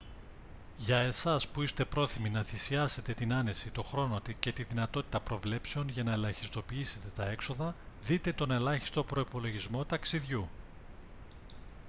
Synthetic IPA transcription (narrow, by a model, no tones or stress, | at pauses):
ʝɐe̞sɐspuist̪e̞pɾo̞θiminɐθisiɐse̞t̪e̞t̪inɐne̞sit̪o̞xɾo̞no̞t̪ice̞t̪iðinɐt̪o̞t̪i̥t̪ɐpɾo̞vle̞pse̞o̞nʝɐnɐe̞lɐçi̥st̪o̞piise̞t̪e̞t̪ɐe̞kso̞ðɐ | ðit̪e̞t̪o̞ne̞lɐçi̥st̪o̞pɾo̞ipo̞lo̞ʝizmo̞t̪ɐksiðʝu